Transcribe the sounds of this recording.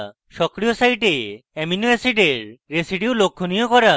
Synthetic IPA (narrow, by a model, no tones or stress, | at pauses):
ʃɔkɾijosajʈeɛminuesiʈeɾɾesiɖiwlokʰːonijokɔɾa